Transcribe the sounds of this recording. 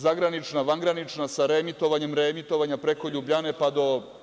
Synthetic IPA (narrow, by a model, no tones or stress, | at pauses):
zaɡɾanit͡ʃnaʋaŋɡɾanit͡ʃnasaɾemit̪o̞ʋaɲe̞mɾeːmit̪o̞ʋaɲapɾe̞ko̞ʎubʎane̞pad̪o̞